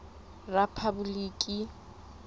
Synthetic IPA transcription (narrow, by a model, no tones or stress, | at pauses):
rapʰabuliːkʼi